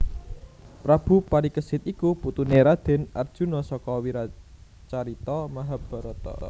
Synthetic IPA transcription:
pɾab̥ṳpaɾikəsɪt̪ikuput̪uneɾad̪̥ɛ̤nard̥ʒ̥ṳnɔsɔkɔwiɾa | t͡ʃaɾit̪ɔmaɦab̥a̤ɾɔt̪ɔ̰

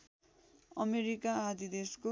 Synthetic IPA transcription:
ʌmeɾikaad̪id̪esko

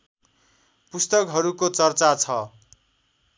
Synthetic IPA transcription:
pust̪ʌkɦʌɾukot͡sʌrt͡sat͡sʰʌ

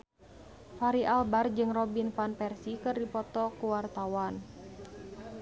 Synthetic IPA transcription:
faɾiʔalbard͡ʒɨŋrɔbinfanpɛrsikɨrdipɔt̪ɔkuwart̪awan

